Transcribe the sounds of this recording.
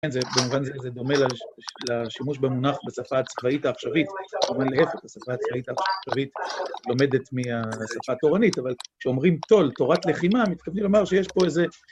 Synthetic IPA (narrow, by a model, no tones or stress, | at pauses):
enzebemuvanzezed̪o̞me̞lalaʃimuʃbemunaχbesafaːt͡svaitaːχʃavit̪emuvanlehefeχasafaːt͡svait̪aʃavit̪lo̞me̞d̪e̞t̪miasafato̞ʁanitavalkʃeo̞mʁimt̪o̞lto̞ʁat̪le̞χimamit̪kavnimlo̞maʁʃejeʃpo̞eze̞